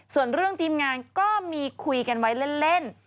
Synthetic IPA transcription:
su˨˩ənɾɯ˥˩əŋt̪ʰiː˧mŋaː˧nkɔː˥˩miː˧kʰu˧jka˧nwa˦˥jle˥˩nle˥˩n

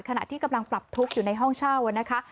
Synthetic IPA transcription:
kʰa˧na̰˨˩t̪ʰiː˥˩ka˧mla˧ŋpɾa˨˩p̚t̪ʰu˦˥k̚juː˨˩na˧jɦɔ˥˩ŋt͡ɕʰaː˥˩wa˧˩na˦˥kʰa˦˥

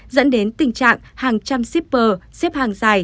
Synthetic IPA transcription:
zə̰˧˥nɗe˨˦nt̪ï˨˩ŋ̟t͡ɕa̰ː˧˨ŋhaː˨˩ŋt͡ɕa˧msi˦˥p̚ɓəː˨˩sɛ˦˥p̚haː˨˩ŋzaː˨˩j

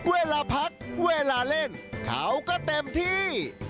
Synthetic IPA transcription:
weː˧laː˧pʰa˦˥k̚weː˧laː˧le˥˩nkʰa̰ː˩˦wkɔː˥˩t̪e˧mt̪ʰiː˥˩

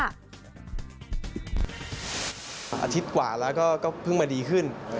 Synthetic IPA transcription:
ʔa̰ː˧t̪ʰi˦˥t̪̚kwa̰ː˨˩lɛː˦˥wkɔː˥˩kɔː˥˩pʰɯ˥˩ŋmaː˧diː˧kʰɯ˥˩n

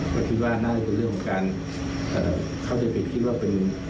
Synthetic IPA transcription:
pʰa˧˩t̪ʰi˧˥˩t̪̚waː˧˩naː˥˩a˧˩pe˧nɾɯ˥˩əŋkʰːɔ˨˧˦ŋkaː˧n | ʔə̰ː˨˩ | kʰa˥˩wt͡ɕa˧˦pʰe˨˩t̪̚kʰi˦˥t̪̚waː˥˩pe˧n

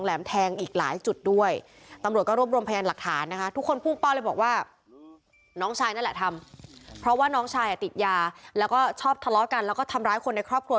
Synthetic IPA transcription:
ŋlɛː˩˦mt̪ʰɛː˧ŋʔiː˨˩k̚la̰ː˩˦jt͡ɕu˨˩t̪̚du˥˩əj | t̪a˧mɾt̪̚kɔː˥ɾu˥˩əm̚ɾu˧mpʰa˧jaː˧la˨˩k̚t̪ʰaː˩˦nːa˦˥kʰa˦˥t̪ʰu˦˥kʰːo˧npʰuː˥˩pa˥˩wla˥˩bɔː˨˩k̚waː˥˩ | nɔː˦˥ŋt͡ɕʰaː˧jnaː˥˩nlɛ˨˩t̪ʰa˧mpʰɾɔ˦˥waː˥˩nɔː˦˥ŋt͡ɕʰaː˧jʔa˨˩t̪i˨˩t̪̚jaː˧lɛː˦˥wkɔː˥˩t͡ɕʰɔː˥˩p̚t̪ʰa˧lɔ˦˥ka˧nlɛː˦˥wkɔː˥˩t̪ʰa˧mɾaː˦˥jkʰo˧nːda˧jkʰɾɔː˥˩p̚kʰɾu˧

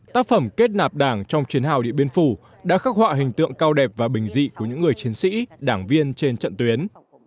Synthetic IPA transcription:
t̪aː˦˥k̚fə˧˩mke˦˥t̚naː˨˩p̚ɗaː˧˩ŋt͡ɕɔ˧wŋ͡mt͡ɕwi˨˦nha̰ː˧˨wɗḭ˧˨əɓi˧ənfu˧˩ | ɗa̰ː˧˥xaː˦˥k̚hwa̰ː˧˨ɦï˨˩ŋ̟t̪ɨ̰˧˨əŋkaː˧wɗɛ˨˩p̚vaː˨˩ɓï˨˩ŋ̟zḭ˧˨ku˧˩əɲɨ̰˧˥ŋːɨ˨˩əjt͡ɕi˨˦ənsḭ˧˥ɗaː˧˩ŋvi˧ənt͡ɕe˧nt͡ɕə̰˧˨nt̪wi˨˦ən

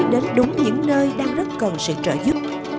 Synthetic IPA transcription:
ɗe˨˦nɗʊ˨˦ŋ͡mɲɨ̰˧˥ŋnəː˧jɗaː˧ŋzə˦˥t̚kə˨˩nsɨ̰˧˨t͡ɕə̰ː˧˨zʊ˦˥p̚

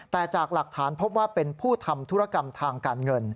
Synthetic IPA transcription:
t̪ɛː˨˩t͡ɕaː˨˩k̚la˨˩k̚t̪ʰaː˩˦npʰo˦˥p̚waː˥˩pe˧npʰuː˥˩t̪ʰa˧mt̪ʰu˦˥ɾa˧˩ka˧mt̪ʰaː˧ŋkaː˧nŋɤ˧n

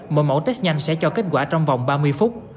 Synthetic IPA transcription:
mo˨˩jmo̰˧˥t̪e˦˥t̚ɲa˧jŋ̟sɛ̰˧˥t͡ɕɔ˧ke˦˥t̚kwaː˧˩t͡ɕɔ˧wŋ͡mva˨˩wŋ͡mɓaː˧mɨ˧əjfʊ˦˥t̚

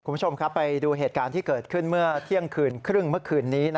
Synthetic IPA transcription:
kʰu˧˦u˥˩t͡ɕo˧mkʰa˦˥pːa˧jduː˧ɦeː˨˩t̪̚kaː˧nt̪ʰiː˥˩kɤː˨˩t̪̚kʰɯ˥˩nmɯ˥˩ɐt̪ʰi˥˩əŋkʰɯː˨˩nkʰɾɯ˥˩ŋmɯ˥˩ɐkʰɯː˧˩nːiː˦˥na˦˥

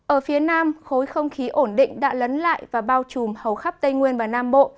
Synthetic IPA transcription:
ʔəː˧˩fi˨˦ənaː˧mxo˨˦jxə˧wŋ͡mxi˨˦ʔo˧˩nɗḭ̈˧˨ŋ̟ɗa̰ː˧˥lə˨˦nla̰ː˧˨jvaː˨˩ɓaː˧wt͡ɕu˨˩mhə˨˩wxa˦˥p̚t̪ə˧jŋwi˧ənvaː˨˩naː˧mɓo̰˧˨

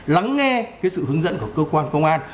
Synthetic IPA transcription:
la˨˦ŋːɛ˧kkaː˨˦jsɨ̰˧˨hɨ˨˦əŋzə̰˧˥nku˧˩əkəː˧kwaː˧nkə˧wŋ͡mʔaː˧n

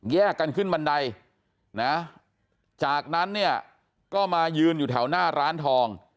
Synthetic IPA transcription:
jɛː˥˩kːa˧nkʰɯ˥˩nba˧nda˧j | na˦˥ | t͡ɕaː˨˩k̚na˦˥nːi˥˩ɐ | kɔː˥˩maː˧jɯː˧njuː˨˩t̪ʰa˩˦wnaː˥˩ɾaː˦˥nt̪ʰɔː˧ŋ

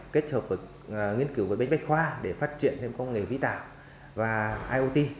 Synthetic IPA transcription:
ke˦˥t̚həː˨˩p̚vəː˨˩ | ŋi˧ənki˨˩˦wəː˨˩˦ɓe˧jŋ̟ɓa˦˥jk̚xwaː˧ɗe˧˩faː˦˥t̚t͡ɕḭ˨˧˨ənt̪ʰe˧mkə˧wŋ͡mŋe˨˩vḭ˧˥t̪a̰ː˧˩˨w | vaː˨˩ʔaː˧jʔo˧t̪i˧

